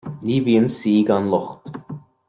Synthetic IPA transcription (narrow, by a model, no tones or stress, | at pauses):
liːviənsiːɡanlˠɔχt̪